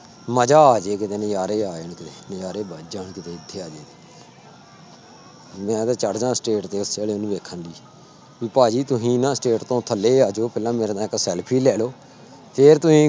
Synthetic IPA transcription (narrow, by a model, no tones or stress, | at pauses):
məd͡ʒaːaːd͡ʒeːkɪt̪eːnəjaːɾeːaːɪɳkɪt̪eːnjaːɾeːbaːd͡ʒaːɳkɪt̪eːɪd̪ʰʱːeːaːd͡ʒeːt̪e | mɛ̃ːd̪aːt͡ʃəɽd͡ʒãːsʈeːʈt̪eːʊseːleːnũːʋeːkʰːənd̪iː | ʋiːpaːd͡ʒiːt̪ʊsĩːnãːsʈeːʈt̪õːt̪ʰəlːeːaːd͡ʒoːpʰɛːlãːmeːɾed̪ãːɪksɛːlpʰiːlɛːloː | pʰeɾt̪ʊsĩː